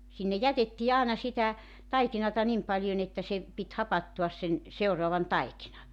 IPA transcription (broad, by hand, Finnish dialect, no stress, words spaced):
sinːe jætetːiː ɑːnɑ sitæ tɑikinɑtɑ nim pɑlʲjon etːæ se pit hɑpɑtːuɑs sen seuroɑʋɑn tɑikinɑ